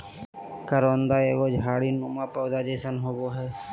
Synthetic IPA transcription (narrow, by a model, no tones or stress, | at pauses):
kəɾoːnd̪aːeːɡod͡ʒʱaːɽinumapəʊd̪aːd͡ʒeːsənɦoːɡoɦɛː